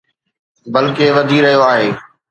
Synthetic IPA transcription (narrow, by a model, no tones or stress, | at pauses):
bɐlkeʋɐd̪ʱiɾɐɦijoaːɦeː